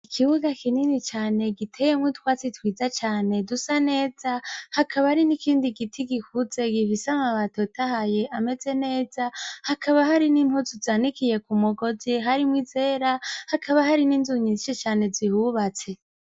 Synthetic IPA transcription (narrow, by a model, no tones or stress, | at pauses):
ikʰiβuɡakininit͡ʃaːne̞ɡitʰejemwitwaːt͡sitwiːzat͡ʃaːne̞dusane̞ːzahakʰaβaaɾinikiːndiɡitʰiɡikuze̞ɡifisamaβatotahaje̞ʔame̞ze̞ne̞ːzahakʰaβaɦaɾinimhozuzaːnikije̞kumuɡo̞ziɦaɾimwize̞ːɾahakʰaβahaɾiniːnzuɲiziʃet͡ʃaːne̞zihuβat͡se̞